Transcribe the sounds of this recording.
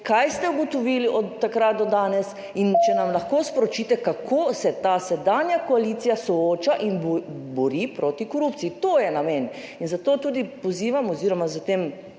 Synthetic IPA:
kajst̪ɛuɡɔt̪ɔʋiːliʔɔt̪ːakɾat̪̚d̪ɔd̪aːnɛs | int͡ʃɛnamlaxkospɔɾɔt͡ʃiːt̪ɛkakʰoːsɛt̪asɛd̪anjakɔalit̪sijasɔoːt͡ʃaʔinbbɔɾiːpɾot̪ikoɾupt̪siit̪oːjɛnamɛn | inzat̪oːt̪uːd̪ipɔziːʋamɔziːɾɔmazɐt̪em

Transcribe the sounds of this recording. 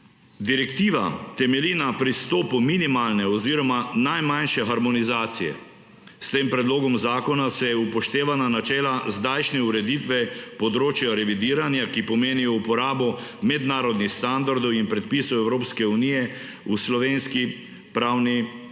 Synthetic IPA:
d̪iɾɛkt̪iːʋa̰t̪ɛmɛlinapɾist̪oːpuminimaːlnɛɔziːɾɔmanajmanʃɛxaɾmɔnizaːt̪sijɛ̰ | st̪eːmpɾɛd̪loːɡɔmzaːkɔnasɛjɛupɔʃt̪eːʋananat͡ʃɛːlazd̪ajʃnɛuɾɛd̪it̪ʋɛpɔd̪ɾoːt͡ʃjaɾɛʋid̪iːɾanjakipɔmeːnijɔupɔɾaːbɔmɛd̪naːɾɔd̪nixst̪and̪aɾd̪ɔwinpɾɛt̪̚pisɔwɛwɾoːpskɛunijɛ | uslɔʋeːnski | pɾawni

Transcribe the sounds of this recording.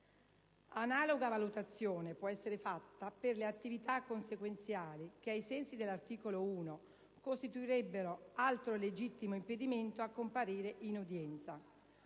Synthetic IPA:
anaːloɡavalut̪at̪sːjoːnepwɔɛsːeɾefat̪ːaperleat̪ːivit̪akːonsekwent̪sjaːlik̟eajsɛnsid̪elːart̪iːkolouːno | kost̪it̪uiɾɛbːeɾoalt̪ɾoled͡ʒit̪ːimoimped̪iment̪oakːompaɾiːɾeʔinud̪jɛnt̪sa

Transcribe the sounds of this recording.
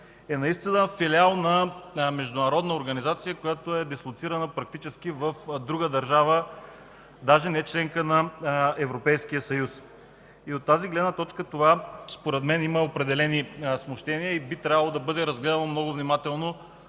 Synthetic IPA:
ɛnɐist̪inəfilialˠnɐmɛʒd̪ʊnɐɾɔd̪nəoɾɡɐnizat̪sijəkojat̪oɛd̪ɛslˠʊt̪siɾɐnəpɾɐk̚t̪it͡ʃɛsk̟ivəfd̪ɾuɡəd̪ɐɾʒavə | d̪aʒɛnɛt͡ʃlɛŋkənɐɛvɾopɛjsk̟ijəsɐjus | iot̪ːaziɡlɛd̪nət̪ɔt͡ʃkət̪ovaspoɾɛd̪mɛniməopɾɛd̪ɛlɛnismoʃt̪ɛniəibit̪ɾʲavəlˠod̪ɐbɤd̪ɛɾɐzɡlɛd̪ɐnəmnɔɡʊvnimat̪ɛlˠno

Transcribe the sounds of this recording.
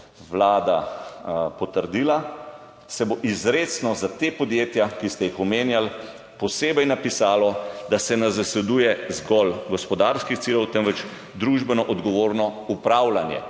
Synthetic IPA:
ʋlaːd̪a | pɔt̪əɾd̪iːla | sɛboʔizɾeːt̪snɔzat̪eːpɔd̪jeːt̪jakist̪ɛjixɔmeːnjal | pɔseːbɛjnapisaːlɔd̪asɛnazasɛd̪ujɛzɡɔlɡɔspɔd̪aɾskixt̪silɔwt̪ɛnʋɛt͡ʃ | d̪ɾuʒbɛnɔʔɔd̪ɡɔʋoːɾnɔupɾawlanjɛ̰

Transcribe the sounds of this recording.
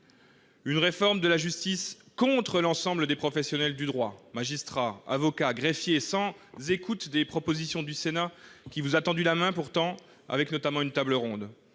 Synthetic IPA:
ynʁefɔʁmd̪əlaʒyst̪is | kɔ̃t̪χəlɑ̃sɑ̃bləd̪epχɔfɛsjɔnɛld̪yd̪ʁwamaʒist̪χaa̰vɔkaɡʁefjesɑ̃zekut̪d̪epχɔpozisjɔ̃d̪ysenakʲivuzat̪ɑ̃d̪ylamɛ̃puʁt̪ɑ̃ | a̰vɛknɔt̪amɑ̃ynt̪abləʁɔ̃d̪

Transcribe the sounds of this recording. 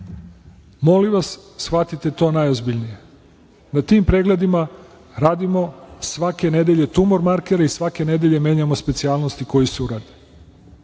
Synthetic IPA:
mo̞liʋassxat̪it̪e̞t̪o̞ːnajozbiʎnije̞ | nat̪iːmpɾe̞ːɡle̞d̪ima | ɾaːd̪imo̞sʋake̞ne̞d̪eʎe̞t̪umoɾmaɾkeɾaisʋake̞ne̞d̪eʎe̞me̞ːɲamospe̞t̪siaːlˠnost̪iko̞jisuuɾad̪i̥

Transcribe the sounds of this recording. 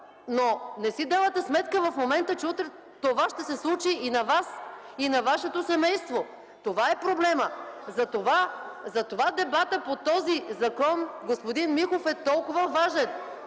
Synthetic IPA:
nonɛsid̪avət̪ɛsmɛt̪kəvɐfmomɛnt̪ət͡ʃɛut̪ɾɛ | t̪ovaʃt̪ɛsɛslˠut͡ʃiːnɐvas | inɐvaʃɛt̪osɛmɛjst̪vo | t̪ovaɛpɾoblɛməzɐt̪ovazɐt̪ovad̪ɛbat̪əpot̪ɔzizɐkɔnɡospod̪inmixofɛt̪ɔlˠkʊvəvaʒɛn

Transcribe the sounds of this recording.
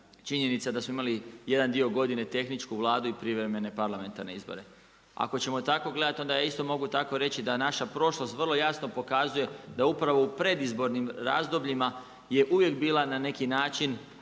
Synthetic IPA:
t͡ʃiɲe̞nit̪sad̪asmoimalije̞d̪and̪io̞ɡo̞d̪ine̞t̪e̞xnit͡ʃkuʋlˠaːd̪uipɾiʋɾe̞me̞ne̞paɾlˠame̞nt̪aɾneizbo̰ɾe̞̰ | a̰ko̞t͡ɕe̞mo̞t̪ako̞ɡle̞d̪at̪io̞nd̪ajaist̪o̞mo̞ɡut̪ako̞ɾe̞t͡ɕid̪anaʃapɾo̞ʃlo̞st̪ʋrlˠo̞jasno̞po̞kazuje̞d̪aupɾaʋo̞upɾe̞d̪izbo̞ɾnimɾa̰ːzd̪o̞bʎima | je̞ʔuʋje̞kbiːlanane̞kinaːt͡ʃin

